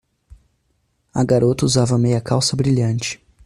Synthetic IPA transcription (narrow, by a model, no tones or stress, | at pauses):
ɐɡaɾot̪ɐuzavɐmejɐkawsɐbɾiʎɐ̃nt͡ʃɪ̥